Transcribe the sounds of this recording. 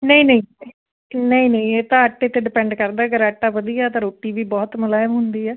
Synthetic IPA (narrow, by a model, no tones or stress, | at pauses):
nəĩːnəĩː | nəĩːnəĩːeːt̪ãːəʈːeːt̪eːɖɪpɛ̃ːɳɖkəɾd̪aːəɡəɾaʈːaːbəd̪ijaːt̪ãːɾoːʈːiːʋiːbɔːt̪məlaːmɦʊnd̪iːɛː